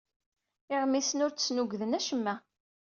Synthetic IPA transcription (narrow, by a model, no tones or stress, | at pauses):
ɪʁmːisənʊɾə̥snuɡðənæʃəmːæ